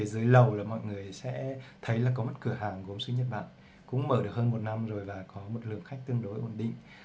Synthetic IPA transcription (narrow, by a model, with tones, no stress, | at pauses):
e˧˩zɨ˨˦jlə˨˩wlaː˨˩mɔ̰˧˨jŋɨ˨˩əjsɛ̰˧˥t̪ʰə˨˦jlaː˨˩k̬ɔ˨˦mə˦˥t̚kɨ˧˩əɦaː˨˩ŋɣo˨˦msɨ˧˦ɲə˨˩t̚ɓa̰ː˧˨n | kʊ̰˧˥ŋ͡mməː˧˩ɗɨ˨˩ək̚həː˧mo˨˩t̚na˧mzo˨˩jvaː˨˩kɔ˨˦mo˨˩t̚lɨ˨˩əŋxa˦˥jk̚t̪ɨ˧əŋɗo˨˦jʔo˧˩nɗḭ̈˧˨ŋ